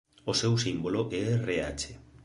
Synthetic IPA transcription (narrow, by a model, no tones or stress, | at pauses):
osewsimboloʔeerea̰t͡ʃe